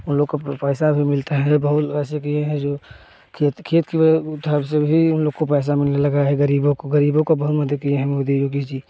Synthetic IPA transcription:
ʊnloːɡ̚kopɛːsabʱimɪlt̪eɦɛ̃bɐɦʊt̪ɛːsekieɦɛ̃d͡ʒoː | kʰːt̪kʰeːət̪kibəʊd̪ʱabsebʱiʊnloːɡkopɛːs̬amɪlnelɐɡaɦɛɡəɾiːbõkoɡəɾiːbõkobɐɦʊt̪məd̪ʱəkieɦɛ̃mod̪id͡ʒokid͡ʒi

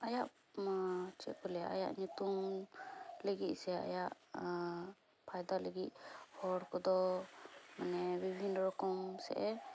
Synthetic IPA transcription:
ajaʔ | t͡ʃɛ̰kɔlɛa̰ja̰ʔɲut̪um | ləɡit̪̚ˀsɛa̰jaʔ | pʰajd̪aləɡit̪̚hɔɾkɔd̪ɔ | manɛbibʱinːɾɔkɔmsɛ̰ʔɛ

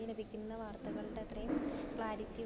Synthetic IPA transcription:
ilɐbʱikʲːunːɐʋaːrt̪ːɐɣɐɭiɖe̞ɐt̪rɐjumpɭaːɾitːi

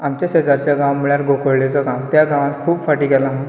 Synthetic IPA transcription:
amt͡ɕjaɕed͡zaɾt͡ɕjaɡãwmiɭjaɾɡʱokəɽlet͡sɔɡãwt̪jaɡãʋ̃ãt̪kʰuːbfaʈiːɡɛlaɦã

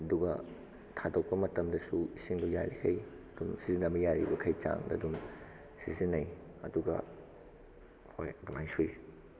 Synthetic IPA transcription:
ɐduɡɐ | tʰadok̚pɐmɐtɐmdɐsuisiŋduja̰ɾikʰɐj | ɐdumsizinɐbɐjaɾḭbɐkʰɐjt͡ʃa̰ŋdɐ̰dum | sizinːɐjɐ̰duɡɐ̰ | hojɐdumajsuj

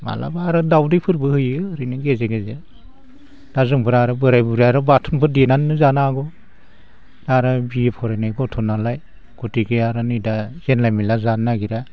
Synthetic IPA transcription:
ma̰la̰baɾɯdawdɯjpʰɯɾbɯhɯjɯɯɾinɯɡezeɡeze | d̥azɯŋpʰɯɾaɾɯbɯɾajbɯɾaɾɯbatʰɯnpʰɯɾdenanːɯzanaɡɔ | daɾabiepʰɔɾajnajɡɔtʰɔnalaj | ɡ̥utiɡeaɾɯnɯjdazenlajmilazanːaɡiɾa

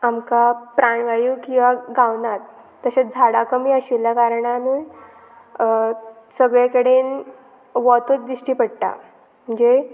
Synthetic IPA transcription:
amkapɾʔaɳʋajukĩw̃ʋaɡawnat̪ː | əɕat͡sd͡zʱaɽakəmiːəɕiljakaɾɳanuj | səɡɭjakəɽen | ʋɔt̪ut͡sd̪ɾiɕʈiːpəɽʈa̰ | m̤əɳd͡ze

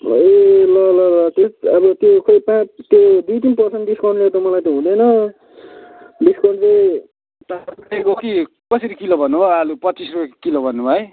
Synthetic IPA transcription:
elʌlʌʌt̪joʌbʌt̪jokʌpãt̪jod̪ijt̪inpʌrseɳʈɖiskʌɳɖlet̪ʌmʌlajt̪jõɦũd̪enʌ | ɖiskʌɳɖle | t̪apekoki | kʌseɾikilobʱʌnːubʱʌʌlupʌtːt͡sisrupeko̥kilobʱʌnːubʱʌe

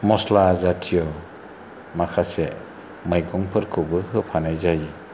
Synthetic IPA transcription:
mɔslazatʰijɔ | makʰase | majkʰɔŋpʰɯɾkʰɯbɯhɯpʰanajzaji

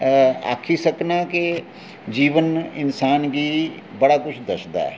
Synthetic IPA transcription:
a̰ːkʰisəknaːke | d͡ʒiːʋənɪnsaːnɡiː | bəɽaːkʊt͡ʃʰd̪əsd̪a̰ɛ̰ː

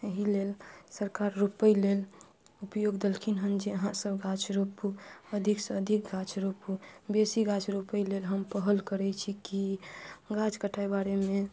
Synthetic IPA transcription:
əɦilelsəɾkaɾːupəjlel | upjoɡd̪əlkʰinɦənd͡ʒiəɦãsəbɡʱãt͡ʃʰɾopuəd̪ʱiksəəd̪ʱik̚ɡʱat͡ʃʰɾopubesiɡãt͡ʃʰɾupəjlelɦəmpəɦəlkəɾɛt͡ʃʰikiɡad͡ʒkəʈʰaebaɾemẽ

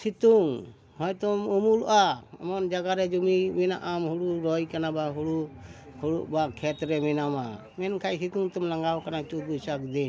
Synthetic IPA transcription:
sit̪uŋ | hɔjt̪ɔmumulɔ̰ʔaɔ̰mɔnd͡ʒaɡaɾɛd͡ʒumimina̰ʔamɦuɽuɾɔjkanabaɦuɽu | huɽuʔbakʰɛt̪ɾɛmɛnama | mɛnkʰajsit̪uŋt̪ɔmlaŋɡawkanat͡ʃut̪̚busak̚d̪in

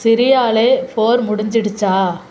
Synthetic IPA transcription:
sɪɾɪjaːleːpoːɾmʊɽɪɲd͡ʒɪɽɯt͡ʃːaː

